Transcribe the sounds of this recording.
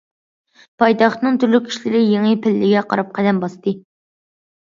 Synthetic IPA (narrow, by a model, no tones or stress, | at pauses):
pʰɑjt̪ɑχt̪nɨŋt̪ʰyɾlykʲʰːi̥ʃlɪɾɪjeŋɨpʰɪlːɪɡʲɛqʰɑɾɑp̚qʰæd̪ɛmbɑst̪ʰɨ